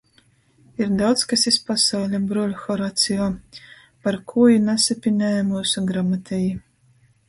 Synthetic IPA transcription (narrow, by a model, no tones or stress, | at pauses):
iɾd̪awt̪skasispasawlʲabɾulʲxɔɾat̪sijɔː | paɾkʰujunʲasapʲinʲɛːjɛmuːsuɡɾamat̪ʰʲɛji